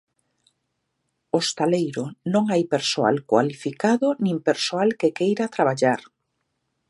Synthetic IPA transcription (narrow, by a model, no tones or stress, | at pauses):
ost̪alejɾʊnõŋajpeɾsoa̰lkwa̰lifikaðʊnĩmpeɾsoalkekejɾat̪ɾaβaʎaɾ